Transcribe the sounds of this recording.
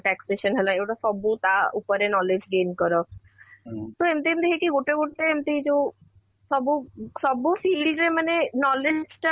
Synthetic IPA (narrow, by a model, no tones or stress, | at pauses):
ʈɛkseʃənɦɛlaewʈaʃɔbut̪aupɔɾenɔled͡ʑɡenkɔɾɔ | t̪oemt̪eemd̪ekʰekiɡoʈeɡoʈt̪eemt̪eid͡ʑo | ʃɔbuʃɔbufilɾemanenɔled͡ʑd͡ʑʈa